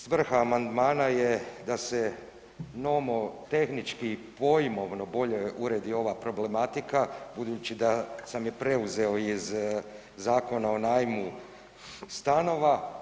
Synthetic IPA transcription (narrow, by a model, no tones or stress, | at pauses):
sʋr̩xaːmand̪maːnajed̪ase̞ | no̞mo̞t̪e̞xnit͡ʃkiːpo̞jimo̞ʋno̞bo̞ʎe̞uɾeːd̪io̞ʋapɾo̞ble̞mat̪ikabud̪uːt͡ʃid̪asamjepɾe̞uzeo̞iz | zaːko̞nao̞naːjmu | st̪ano̞ʋa